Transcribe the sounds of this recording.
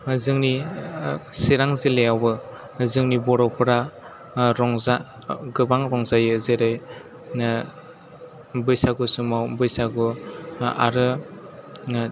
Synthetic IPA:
zɯŋni | siɾaŋzilejawbɯ | zɯŋnibɔɾɔwpʰɯɾa | ɾɔŋza | ɡɯbaŋɾɔŋzajzeɾɯj | n | bɯjsaɡusumawbɯjsaɡɯ | a̰ɾɯ

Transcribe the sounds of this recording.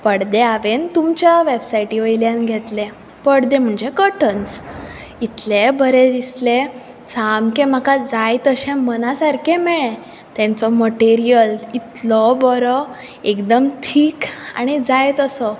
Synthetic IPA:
pəɽd̪eaʋent̪umt͡ɕjaʋebsajʈiʋəjljãnɡʱet̪lẽ | pəɽd̪ẽm̤əɳd͡ʑekəʈəns | it̪lebəɾed̪isle | samkẽm̤akad͡zajt̪əɕɛ̃mənasaɾkẽmɛɭɛ̃ | t̪ɛ̃nt͡sɔməʈeɾijəlit̪lɔbɔɾɔ | ekd̪əmʈʰiːka̰ɽ̃id͡zajt̪əsɔ

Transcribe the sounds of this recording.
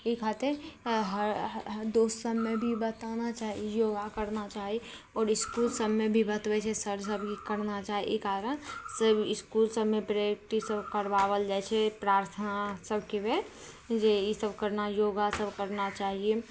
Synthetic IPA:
ikʰat̪eɦəɾd̪oːssəbmebʱibət̪anat͡ʃaːɦiejoːɡakəɾnat͡ʃaːɦi | ɔːɾɪskuːlsəbmebʱibət̪ʋɛt͡ʃʰɛsəɾd͡ʒsəbʱkikəɾnat͡ʃaːɦiʔḛkaɾənsəbɪskulsəbmepɾekʈisəbʱkəɾʋaʋəld͡ʒaɛt͡ʃʰɛpɾaːɾt̪ʰənasəbʱkebe | d͡ʒeisəbʱkəɾnajoːɡasəbʱkəɾnat͡ʃaːɦie

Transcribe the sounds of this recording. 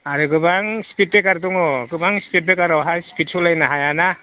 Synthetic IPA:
aɾɯɡɯbaŋspʰit̚bekaɾduŋɔɡɯbaŋspʰit̚bekaɾawɦaspʰit̚sɔlajnaɦajana

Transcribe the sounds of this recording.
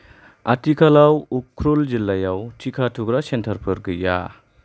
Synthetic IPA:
atikʰalawukʰːɾold͡ʒilːajawtikʰatʰuɡɾasentʰɐɾpʰɯɾɡɯja̰

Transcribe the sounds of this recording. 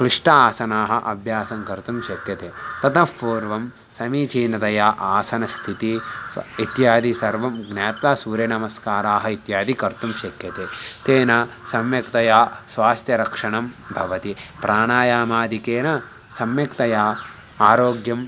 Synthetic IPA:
kɾiʂʈɐaːsɐnaːɦɐ̆ʔɐbʱjaːsɐŋkɐɾt̪umʃɐkjɐt̪eːt̪ɐt̪ɐpuːɾʋɐm | sɐmiːt͡ʃiːnɐt̪ɐjaːʔaːsɐnɐst̪ʰit̪iit̪jaːd̪isɐɾʋɐmɡnaːpt̪aːsuːɾjɐnɐmɐskaːɾaːɦɐit̪jaːd̪ikɐɾt̪umʃɐkjɐt̪et̪eːnɐsɐmjɐkt̪ɐjaːsʋaːst̪jɐɾɐkʂɐɳɐmbʱɐʋɐt̪ipɾʔaːɳaːjaːmaːd̪ʱikeːnɐ | sɐmjɐkt̪ɐjaː | aːɾoːɡjɐm

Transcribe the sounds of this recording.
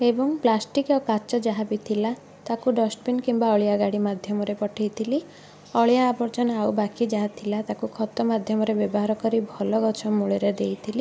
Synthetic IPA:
ebɔŋplasʈikɔkat͡ʃɔd͡ʒaɦapit̪ʰila | t̪akuɖɔsʈ̚binkimbaɔɭijaɡaɽimad̪ʱjɔmɔɾepɔʈʰejt̪ʰili | ɔɭjaːbɔɾt͡ʃɔnaubakid͡ʒaɦat̪ʰilat̪akukʰɔt̪ɔmad̪ʱjɔmɔɾebjɔbɔɦaɾɔkɔɾibʱɔlɔɡɔt͡ʃʰɔmuɭeɾed̪ejt̪ʰili

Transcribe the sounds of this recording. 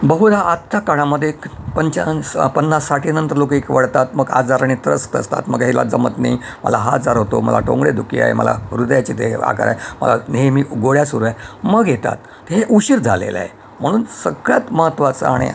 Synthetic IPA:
bəɦuɾaat̪ʰːakaɽ̃aməd̪ʱːjepəɲt͡ɕapənːasːaʈʰinənt̪əɾlok̬ikʋəɽt̪at̪məɡa̰d͡zaɾaɽ̃it̪ɾəst̪ə̰st̪a̰t̪məɡɦela̰d͡zəmət̪nḛi | mə̰laɦad͡zaɾɦot̪omə̰la̰ʈõ̰ŋɡɽed̪ukḭa̰ɦḛmə̰la̰ɾud̪jat͡ɕid̪ea̰ka̰ɾa̰emə̰lanemiːuɡoɽjasuɾuaeməɡjet̪a̰t̪ | ɦeʔuɕiɾd͡zʱalḛla̰ɦe | m̤əɽ̃uːnsəɡɭjat̪məɦət̪ʋat͡səaɽ̃ḛ

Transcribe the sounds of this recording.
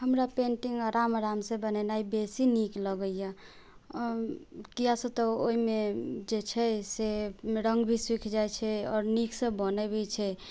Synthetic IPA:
həmɾapẽɳʈiŋɡaɾamɾamsẽbənɛnaibesinikləɡəja | kijasə̃t̪ɔo̰imed͡ʒet͡ʃʰɛseɾəŋɡbʱiswikʰd͡ʒajt͡ʃʰɛɔ̰ːɾnikʰsə̃bənɛbʱit͡ʃʰɛ

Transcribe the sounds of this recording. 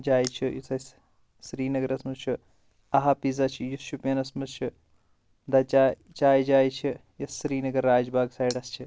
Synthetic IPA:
d͡ʒaːjt͡ʃʰijṵsɐs | sɾiːnɐɡɐɾɐsmɐst͡ʃʰu | ɐɦɐpizɐt͡ʃʰijusʃupʲɐnɐsmɐst͡ʃʰu | d̪ɐt͡ʃa | t͡ʃaːjd͡ʒaːjt͡ʃʰi | jɐsɾiːnɐɡɐɾːaːd͡ʒbaːɡsaːjɖɐst͡ʃʰi

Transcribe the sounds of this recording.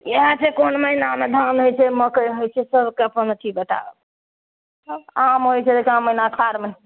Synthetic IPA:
eɦãt͡ʃʰekonməɦinamed̪ʱanɦojt͡ʃʰɛməkəjɦojt͡ʃʰɛsəbʱkeəpənt͡ʃʰibəʈa̰bḛ | amɦojt͡ʃʰɛd̪ekʰiamːəɦinakʰaɾmen

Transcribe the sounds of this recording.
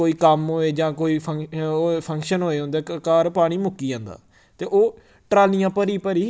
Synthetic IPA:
oːiːkəmɦoːeːd͡ʒãːkoːiːpʰəŋːpʰəŋkʃənɦoːeːɦõːnd̪eːkaːɾpaːɽ̃iːmʊkːiːãːnd̪a̰ː | t̪eːʔoː | ʈɾaːlijãːpəɾiːpəɾiː

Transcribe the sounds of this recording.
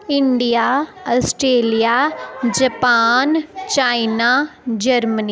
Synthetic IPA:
ɪɳɖijaːasʈɾeːlijad͡ʒɐpaːnt͡ʃaːinad͡ʒɐɾməni

